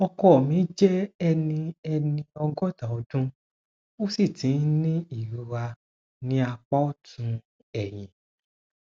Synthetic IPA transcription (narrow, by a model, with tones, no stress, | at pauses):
ɔ˧kɔ˨˦ɔ˨mĩ˨˦d͡ʒɛ˦ɛ˧nĩ˧ɛ˧nĩ˧ɔ˧ɡɔ˦ta˨ɔ˨˦dũ˦ | o˦si˦˨tĩ˨˦nĩ˦i˦˨ɾu˨˧˦wa˧ | nĩ˦a˧k͡pɔ˦tʰũ˧ | ɛ˨j̃ĩ˨